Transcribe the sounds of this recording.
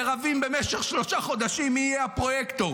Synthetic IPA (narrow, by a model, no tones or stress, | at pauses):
eʁavimbe̞meʃeχʃlo̞ʃaχo̞d̪aʃimːiːjeapʁo̞jekt̪o